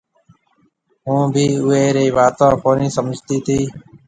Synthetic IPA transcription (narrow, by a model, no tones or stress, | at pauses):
ɦũːbʱiːʊɦeːɾeːʋaːt̪ãːpoːnĩːsəməd͡ʒʱt̪iːt̪ʰiː